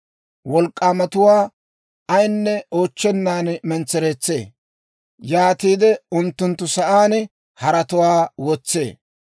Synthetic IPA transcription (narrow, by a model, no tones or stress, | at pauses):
wɔlkʼːaːmɐt̪ʊwaː | ɐjnːɛo̞ːt͡ʃːɛnːaːnmɛnt͡sːɛɾeːt͡sːe̞̰ː | jaːt̪iːd̪ɛʊnt̪ːʊnt̪ːʊsɐʔaːn | hɐɾɐt̪ʊwaːwɔt͡sːe̞̰ː